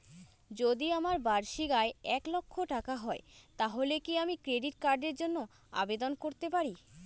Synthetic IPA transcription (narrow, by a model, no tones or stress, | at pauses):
d͡ʑod̪iamaɾbaɾʃiɡaeɛklokʰːoʈakaɦɔet̪aɦolekiamikɾeɖiʈkaɾɖeɾd͡ʑonːo | a̰bed̪onkoɾt̪epaɾi